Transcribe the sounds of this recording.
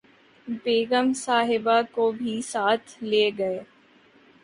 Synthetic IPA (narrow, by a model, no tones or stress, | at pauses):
beːɡəmsaːɦɪbakobʱisaːt̪ʰleːɡɐeː